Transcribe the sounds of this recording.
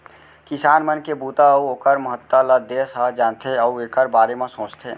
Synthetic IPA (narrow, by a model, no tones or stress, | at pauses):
kɪsaːnmənkebuːt̪auoːkəɾməɦət̪ːələd̪eːsɦəd͡ʒaːnt̪ʰeəueːkəɾbaːɾemẽsõːt͡ʃt̪ʰeː